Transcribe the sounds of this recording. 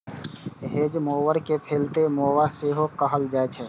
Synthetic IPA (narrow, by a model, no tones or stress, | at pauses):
ɦeːd͡ʒmoːʋəɾkepʰeːlt̪emoːʋaseɦoqəɦəld͡ʒaːt͡ʃʰɛ